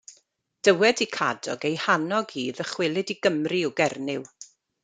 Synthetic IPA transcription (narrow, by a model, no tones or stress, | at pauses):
d̥əwɛdikʰa̰dɔ̰ɡejhanɔɡiːðəχwɪlˠɪdiɡəmriɔɡɛrnɪw